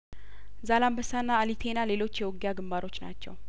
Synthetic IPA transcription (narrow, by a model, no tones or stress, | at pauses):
zalambəsanːaːlit̪ʰe̞nale̞lo̞t͡ʃːjɛwɔɡjaɡɨmbaɾo̞t͡ʃːna̰t͡ʃːɛ̰w